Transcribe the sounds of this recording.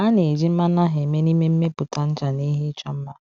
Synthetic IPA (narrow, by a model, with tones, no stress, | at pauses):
a˦ne˨d͡ʒi˦m̩˦ma˦na˦ɦe˨me˦ni˦me˦m̩˦me˦pʊ˨ta˨n̩˦t͡ʃa˨ni˦ɦi˦t͡ʃɔ˦m̩˦ma˦